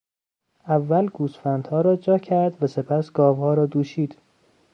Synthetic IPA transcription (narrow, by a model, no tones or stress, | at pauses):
ʔævːælɡuːsfænd̪̥hɒːɾɒːd͡ʒɒːcʰæɾd̪væse̞pʰæsɡɒːvhɒːɾɒːd̪uːʃiːd̪̥